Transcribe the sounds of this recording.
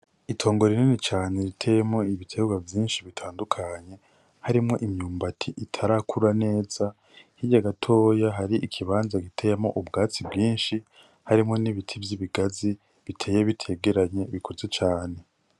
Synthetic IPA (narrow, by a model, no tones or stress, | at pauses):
itʰo̞ːŋɡo̞ɾininit͡ʃaːne̞ɾitʰejemŋo̞iβitʰeːɡɡwavjiːnʃiβitʰaːndukʰaɲe̞ | haɾimŋo̞ʔimɲuːmbatʰiʔitʰaɾakʰuɾane̞ːz̥a | hiɟaɡatʰo̞ːjaɦaɾiʔikʰiβaːnzaɡitʰe̞jemo̞̰ʔubɡaːt͡sibɡiːnʃi | haɾimŋo̞niβitʰivjiβiɡazi | βitʰe̞jeβitʰe̞ːɡe̞ɾaɲe̞βikʰo̞ze̞t͡ʃaːne̞